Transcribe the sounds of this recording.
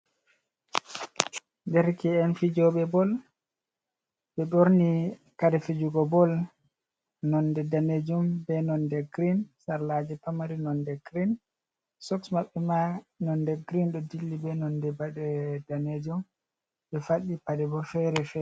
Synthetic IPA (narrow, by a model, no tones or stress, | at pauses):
ndɛɾkɛɛnfid͡ʒɔɓɛbɔl | ɓɛɗoɾni | kaɾɛfid͡ʒuɡɔbɔl | nɔndɛdaned͡ʒumbɛnɔndɛɡɾinsaɾlad͡ʒɛpamaɾinɔndɛɡɾin | sɔksmaɓːɛmanɔndɛɡɾinɗɔdilːibɛnɔndɛbadɛdaned͡ʒum | ɓɛfaɗipadɛbɔfɛɾɛfɛ